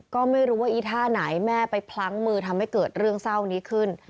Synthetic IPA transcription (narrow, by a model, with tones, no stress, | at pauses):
kɔː˥˩ma˥˩jɾuː˦˥waː˥˩ʔiː˧˩t̪ʰaː˥˩na˩˦jmɛː˥˩pa˧jpʰla˦˥ŋmɯː˧t̪ʰa˧mha˥˩jkɤː˨˩t̪̚ɾɯ˥˩əŋsa˥˩wniː˦˥kʰɯ˥˩n